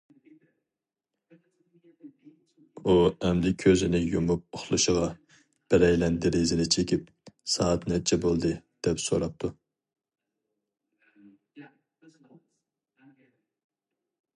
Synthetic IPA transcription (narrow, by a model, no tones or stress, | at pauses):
uɛmlɪkʲʰøzɪnɪjumup̚oχlˠuʃəʁɑ | b̥ɪɾɛjlɛnd̪ɪɾezɪɾɛt͡ʃʰekʲip̚ | sɑːɑt̪nɛt͡ʃʰɛbolˠd̪ɨd̪̥ɛpso̰ɾɑp̚t̪ʰu